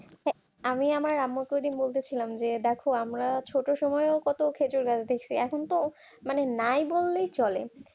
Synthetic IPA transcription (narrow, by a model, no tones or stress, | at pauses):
ɦɛ | amiamaɾamːokojd̪inbolt̪et͡ɕʰilamd͡ʑed̪ɛkʰoamɾat͡ɕʰoʈoʃɔmɔeokɔt̪okʰed͡ʑoɾɡad͡ʑʰd̪ekʰt͡ɕʰiɛkʰont̪o | manenajbolːejt͡ɕɔlḛ